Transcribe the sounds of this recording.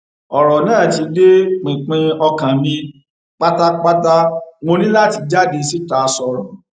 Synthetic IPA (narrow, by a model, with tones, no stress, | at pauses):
ɔ˨ɾɔ˨nãː˦˨ti˨˧˦de˦k͡pĩ˨k͡pĩ˧ɔ˧kã˨mĩ˧ | k͡pa˦ta˦k͡pa˦ta˦ŋo˧nĩ˦la˦˨ti˧d͡ʒa˦˨de˨˧si˦ta˧˨˧sɔ˧˨ɾɔ̃˨